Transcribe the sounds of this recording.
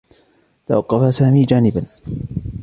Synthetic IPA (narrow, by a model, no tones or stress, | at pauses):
t̪a̰wɑqːɑfasaːmiːd͡ʒaːnɪban